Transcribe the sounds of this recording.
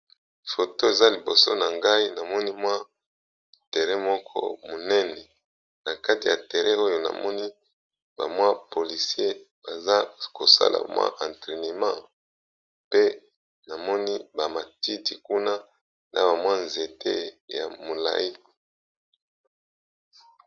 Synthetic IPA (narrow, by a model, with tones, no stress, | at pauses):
fo˨to˦e˨za˦li˨bo˨so̰˦na˨ŋɡa˦i˦na˨mɔ˦ni˦mwa˦ | te˨ʁɛ˦mɔ˦kʰɔ̰˦mo˨nɛ˦nɛ˨ | na˨ka˦ti˨ja˨te˨ʁɛ˦o˦jo˦na̰˨mɔ˦ni˦ | ba̰˨mwa˦po˨li˨si˦e˦ | ba˨za˦ko˨sa̰˦lʔa̰˨mwa̰˦ʔã˨ntʁe˨ne˨mã˦˨ | pe˦ | na˨mɔ˦ni˦ba˨ma˨ti˦ti˨ku˦na˦ | nʔa̰˨ba˨mwa˦nze˨tḛ˦ja̰˨mo˨la̰˨ji˦